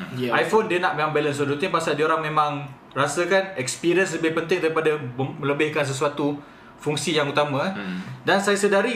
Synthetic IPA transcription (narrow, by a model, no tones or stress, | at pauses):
ajfondiənaʔmẽmãŋbɛləns̬odut̪ɪŋpasaldioɾaŋmẽmãŋ | rasəkanɛkspiɾiəns̬ləbɪhpənt̪ɪŋdaɾipadamə̃ləbɪhkans̬əs̬uat̪u | fuŋsijaŋut̪amãdansajasədaɾi